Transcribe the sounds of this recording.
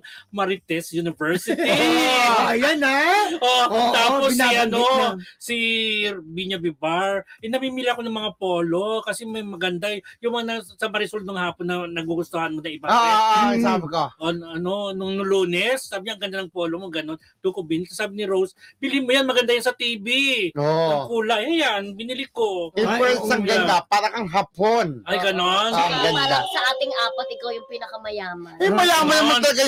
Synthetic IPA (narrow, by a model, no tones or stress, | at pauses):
mɐɾɪt̪ɛsjunɪvɛɹsɪt̪i | ɐjanaʔoʔt̪aːosiʔɐnosi | biɲɐbɪbaɹʔɛnɐmiːmiːlɐɐkonɐŋmɐŋapo̞ːlo̞kɐsɛmɐjmɐɡɐnd̪ajjʊŋmɐŋanɐsɐmɐɾɛsuld̪oŋhaːponːɐnɐɡuɡʊst̪ohɐnmonɐɪba | aonʔɐno̞nʊŋnʊluːnɛsːaːbɪɲaɐŋɡɐnd̪anɐŋpoːlomoŋɡɐno̞n | t̪ukobinɪlssaːbɪnɪɾowsbɪlimojanmɐɡɐnd̪ajansɐt̪iːbioɐkuːlɐhɛjanbɪnɪlɪkoɪpɛsɐŋjɐd̪apaːɾɐkɐŋɦaːponʔɐjɡɐnonɡɐnd̪asɐʔaːt̪ɪŋʔaːpɐt̪̚ʔɪkawjʊŋpiːnɐkɐmɐjaːmɐnmɐjaːmɐnɐɐɐlɐɡa